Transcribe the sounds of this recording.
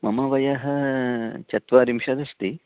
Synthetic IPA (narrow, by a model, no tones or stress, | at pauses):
mɐmɐʋɐjaɦɐ | t͡ʃɐt̪ʋaːɾimʃɐd̪ɐst̪i